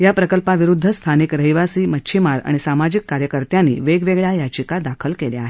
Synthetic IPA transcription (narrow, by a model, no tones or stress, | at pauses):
japɾəkəlpaʋiɾud̪ʱːəst̪ʰanikɾəɦiʋasiːmət͡ɕʰimaɾa̰ɽ̃isamad͡ʑikːaɾjəkəɾt̪janːḭːʋeɡʋeɡɭjajat͡ɕikad̪akʰəlkeljeaɦe